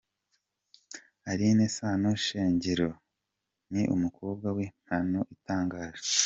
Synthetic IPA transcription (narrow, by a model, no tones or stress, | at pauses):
aɾinesaːnoʃeːɲɟeɾo̞ | niʔṵmukoːb̚ɡawin̥hanoʔitaːŋɡaːʒa